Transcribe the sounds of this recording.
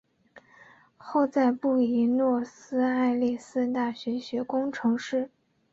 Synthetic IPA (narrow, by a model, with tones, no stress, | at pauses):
xo˥˧ʊt͡sa˥˧ɪpu˥˩i˧˥nwɔ˥˩sɹ̩˥a˥˧ɪli˥˩sɹ̩˥˧t̪a˥˩ɕɥɛ˧˥ɕɥɛ˧˥kʊ˥ŋʈ͡ʂʰɤ˧˥ŋʂɻ̩˥˩